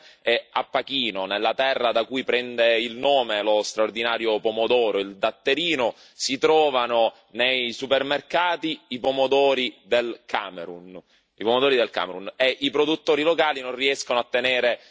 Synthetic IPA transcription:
ɛa̰pːakiːnonelːat̪ɛrːad̪akujpɾɛnd̪eilnoːmelost̪ɾaord̪inaːɾjopomod̪ɔːɾoild̪at̪ːeɾiːno | sit̪ɾɔːvano | nejsupermerkaːt̪iːpomod̪ɔːɾid̪elkʰaːmeɾun | ipomod̪ɔːɾid̪elka̰ːmeɾuneʔipɾod̪ut̪ːoːɾilokaːlinõnriɛskonoat̪ːeneːɾe

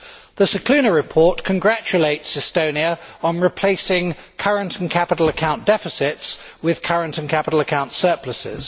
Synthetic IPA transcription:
ðəsəkʰl̥ʉːnəɹɪpʰɔˑʔkʰə̃nɡɹæt͡ʃəleɪtsɪstəʊ̃niəə̃nɹɪpʰl̥eɪsɪ̃ŋ | kʰʌɹə̃ntʰə̃n̩kʰapɪɾˡl̩ˠəkʰãʊ̃nd̥ɛfɪsɪts | wɪð̥kʰʌɹə̃ntə̃nkʰapɪɾˡl̩ˠəkʰãʊ̃ntsɜˑpʰləsɪ̰z̥

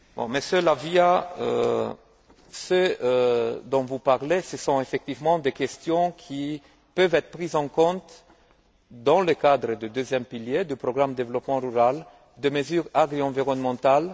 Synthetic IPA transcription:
bɔ̰̃məsjølaviaø̰ | sø | d̪ɔ̃vupaʁlesəsɔ̃efɛk̚t̪ivmɑ̃d̪ekʲɛst̪jɔ̃kʰi | pøvɛt̪χəpχizɑ̃kɔ̃t̪ | d̪ɑ̃ləkad̪ʁəd̪əd̪øzjɛmpiljed̪əpʁɔɡʁamd̪d̪evlɔpmɑ̃ʁyʁal | d̪əməzyʁaɡʁiɑ̃viʁɔnmɑ̃t̪al

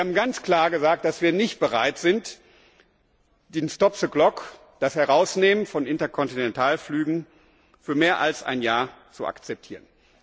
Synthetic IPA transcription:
haːbm̩ɡant͡skl̥aːɐɡəzaːk̚t̚d̥asv̥iːɐnɪçt̚b̥əʁaɪtz̥ɪnt | d̥eːnstɔpsəɡlɔk | d̥ashɛʁaʊsneːmənfɔnɪntɐkʰɔntinɛntʰaːlflyːɡŋ̩ | fyːɐmeːɐʔa̰lsʔa̰ɪnjaːɐt͡sua̰kt͡sɛp̚tʰiːʁən

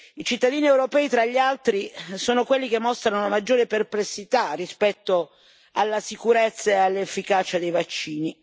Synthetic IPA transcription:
it͡ʃit̪ːad̪iːniewɾopɛːit̪ɾaʎːialt̪ɾisoːnokwelːik̟emːɔst̪ɾanonamad͡ʒːoːɾeperplesːit̪arːispɛt̪ːo | alːasikuɾet̪sːaealːefːikaːt͡ʃad̪ejvat͡ʃːiːni

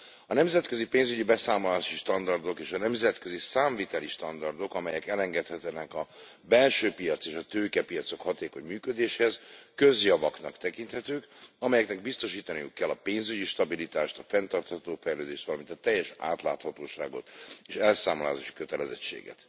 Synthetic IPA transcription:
ɒnɛmzɛt̪kø̞zipeːnzyɟibɛsaːmolaːʃiʃt̪ɒnd̪ɒrd̪o̞keːʃɒnɛmzɛt̪kø̞zisaːɱvit̪ɛliʃt̪ɒnd̪ɒrd̪o̞kɒmɛjɛkɛlɛŋɡɛt̪hɛt̪ɛnɛkɒ | bɛlʃøːpijɒt̪seːʃɒt̪øːkɛpijɒt̪so̞khɒt̪eːko̞ɲmyːkød̪eːʃhɛzkø̞zjɒvɒknɒkt̪ɛkint̪hɛt̪øːkɒmɛjɛknɛɡ̚bist̪o̞ʃiːt̪ɒnijṵkːɛlːɒpeːnzyɟiʃt̪ɒbilit̪aːʃt̪ɒfɛnt̪ɒrt̪hɒt̪oːfɛjløːd̪eːʃt̪ʋɒlɒmint̪ɒt̪ɛjːɛʃa̰ːt̪la̰ːt̪hɒt̪oːʃa̰ːɡo̞̰t̪eːʃɛlsaːmolaːzaːʃi̥køt̪ɛlɛzɛ̰t͡ʃːḛːɡɛ̰t̪

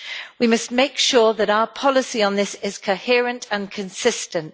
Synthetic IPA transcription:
wimʌstmeɪkʃɔːðəɾaʊəpʰɒlɪsiə̃nðɪsɪz̥kʰəhɪəɹə̃ntʰə̃nkʰə̃nsɪstə̃nt

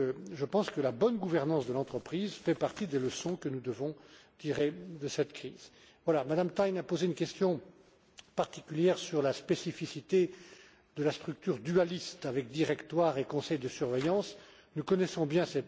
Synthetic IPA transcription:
ʒəpɑ̃skəlabɔnɡuvɛʁnɑ̃sd̪əlɑ̃t̪χəpχizfɛpaʁt̪id̪eləsɔ̃kənud̪əvɔ̃t̪iʁed̪əsɛt̪kχiːz̥ | vwalamad̪amt̪ajnapozeynkʲɛst̪jɔ̃ | paʁt̪ikʲyljɛʁsyʁlaspesifisit̪e | d̪əlast̪χyk̚t̪yʁd̪yalist̪avɛk̚d̪iʁɛkt̪waʁekɔ̃sɛjd̪əsyʁvejɑ̃s | nukɔnɛsɔ̃bjɛ̃sɛt̪

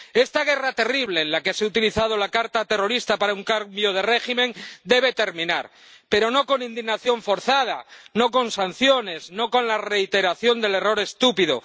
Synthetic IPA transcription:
e̞st̪aɣ̞e̞rat̪e̞riβ̞le̞ːnlakeseut̪iliθað̞olakaɾt̪at̪e̞ro̞ɾist̪apaɾauŋkaɾmjoð̞e̞re̞ximẽnd̪eβ̞e̞t̪e̞ɾmĩna̰ɾ | pe̞ɾo̞no̞ko̞nĩnd̪iɣnaθjo̞ɱfo̞ɾθað̞ano̞ko̞nsan̟θjo̞ne̞zno̞ko̞nlare̞it̪e̞ɾaθjo̞nd̪e̞le̞ro̞ɾe̞st̪upiðo

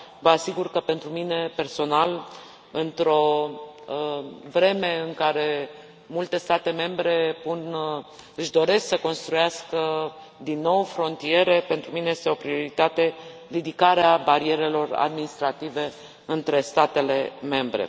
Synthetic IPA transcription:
vəasiɡurkəpe̞nt̪ɾumine̞pe̞rso̞nal | ɨnt̪ɾo̞ | vɾe̞me̞ɨŋkaɾe̞ | mult̪e̞st̪at̪e̞me̞mbɾe̞pun | ɨʃd̪o̞ɾe̞sksəko̞nst̪ɾujaskə | d̪inːo̞wfɾo̞nt̪ie̞ɾe̞pent̪ɾumine̞jest̪eo̞pɾio̞ɾit̪at̪e̞ɾid̪ikaɾeabaɾie̞ɾe̞lo̞ra̰d̪minist̪ɾat̪ive̞ | ɨnt̪ɾe̞st̪at̪e̞le̞me̞mbɾe̞̰

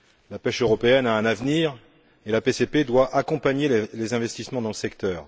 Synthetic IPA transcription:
lapɛʃøʁɔpeɛnaɛ̃navniːʁ | elapeseped̪waʔakɔ̃paɲelezɛ̃vɛst̪ismɑ̃d̪ɑ̃ləsɛkt̪œːʁ

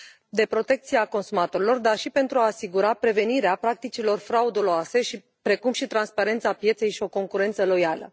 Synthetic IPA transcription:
d̪e̞pɾo̞t̪e̞k̚t̪sieako̞nsumat̪o̞ɾilo̞rd̪arʃipe̞nt̪ɾuaːsiɡuɾapɾe̞ve̞niɾeapɾak̚t̪it͡ʃilo̞rfɾaud̪oloase̞ʃi | pɾe̞kumʃit̪ɾanspaɾe̞nt̪sapje̞t̪se̞jʃio̞ko̞ŋkuɾe̞nt̪səlo̞jalə̰

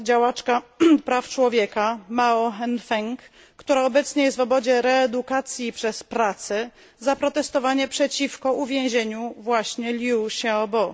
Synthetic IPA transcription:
d͡ʑawat͡ʂkapɾaft͡ʂwɔvʲjɛkamaɔɦɛnfɛŋkː | t̪uɾaɔbɛt̪sɲɛjɛst̪vɔbɔd͡ʑɛɾɛːd̪ukat̪sʲjipʂɛspɾat̪sɛ | zapɾɔt̪ɛst̪ɔvaɲɛpʂɛt͡ɕifkɔuvʲjẽw̃ʑeɲuvwaɕɲɛlʲjuɕaɔbɔ

